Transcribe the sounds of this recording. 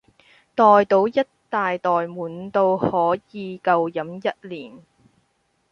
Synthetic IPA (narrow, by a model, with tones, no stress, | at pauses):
t̪ɔː˨jt̪o˨˥wjɐ˥tt̪aː˨jt̪ɔː˨jmuː˨˩nt̪o˧whɔː˨˥jiː˨˧kɐ˨˧wjɐ˨˥mjɐ˥t̚liː˨˩n